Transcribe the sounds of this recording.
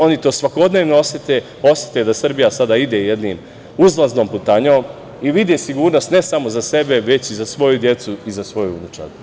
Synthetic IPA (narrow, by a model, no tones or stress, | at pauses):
o̞nit̪o̞ːsʋako̞d̪ne̞ːʋnoosjet̪e | o̞sjet̪ed̪asr̩bijasad̪aid̪ejed̪niːm | uzlaznomput̪aːɲoːm | iʋid̪esiɡuːɾno̞st̪nesamo̞zase̞be̞ʋe̞t͡ɕizasʋo̞jud̪je̞t̪suizasʋo̞juṵnit͡ʃa̰ɾ